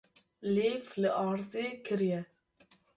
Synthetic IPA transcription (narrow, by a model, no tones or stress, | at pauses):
leːflɨʔɑːɾzeːkʰɨɾijɛ